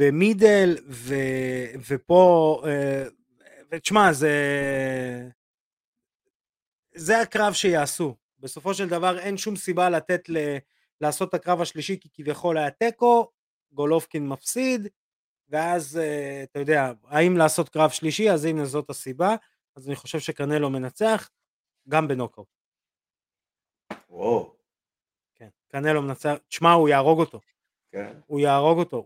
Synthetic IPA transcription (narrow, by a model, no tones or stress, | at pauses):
b̥e̞mid̪e̞lvevepo̞e | veʃmaze | zeakʁavʃe̞jaːsu | be̞so̞fo̞ʃeld̪avaʁe̞nʃumsibalat̪e̞t̪le | laːso̞t̪akʁavaʃliʃikikivjaχo̞lajat̪e̞ko̞ | ɡo̞lofkinmafsid̪ | ve̞azeat̪ajo̞d̪eaaimlaːso̞t̪kʁavʃliʃiazaimezo̞t̪asiba | azaniχo̞ʃe̞vʃe̞kaʁne̞lo̞me̞nat͡se̞aχ | ɡambe̞no̞kaw | o | kenkaʁne̞lo̞menat͡seaχʃmaujaːʁo̞ɡo̞t̪o̞ | kenujaːʁo̞ɡo̞t̪o̞